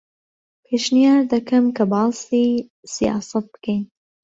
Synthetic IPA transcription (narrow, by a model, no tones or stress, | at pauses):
pʰeːʃnijaːɾd̪ɐkʰɐmkʰɐbɑːsiː | sijɑ̰ːsɐt̪̚bɨ̥kʰejn